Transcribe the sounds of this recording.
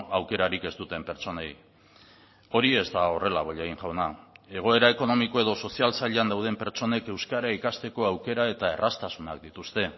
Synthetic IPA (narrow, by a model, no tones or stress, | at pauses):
awke̞ɾaɾike̞st̪ut̪e̞mpe̞ɾt͡so̞ne̞j | o̞ɾie̞zd̪ao̞re̞laβ̞oʎeɣiŋʝawnae̞ɣ̞o̞e̞ɾae̞ko̞no̞miko̞e̞ðo̞so̞sialsaʎeand̪awð̞e̞mpe̞ɾt͡ʃo̞ne̞ke̞wskaɾaikast̪e̞ko̞awke̞ɾae̞t̪ae̞rast̪asunak̚d̪it̪ust̪e̞